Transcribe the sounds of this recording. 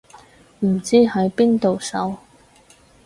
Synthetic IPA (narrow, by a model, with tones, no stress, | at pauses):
m̩˨˩t͡siː˥hɐ˨˥jpiː˥nt̪o˨wsɐ̰˨˥w